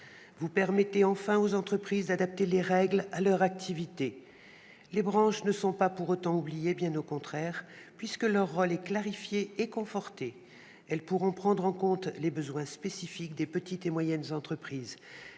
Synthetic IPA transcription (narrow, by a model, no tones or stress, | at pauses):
vupɛʁmɛt̪eɑ̃fɛ̃ozɑ̃t̪χəpχizd̪ad̪ap̚t̪eleʁɛɡlalœʁak̚t̪ʰivit̪e | lebʁɑ̃ʃnəsɔ̃papuʁot̪ɑ̃ublijebjɛ̃nokɔ̃t̪χɛʁpɥiskəlœʁːɔlɛklaʁifjeːkɔ̃fɔʁt̪e | ɛlpuʁɔ̃pχɑ̃d̪ʁɑ̃kɔ̃t̪lebəzwɛ̃spesifikd̪epət̪it̪emwajɛnzɑ̃t̪χəpχiːz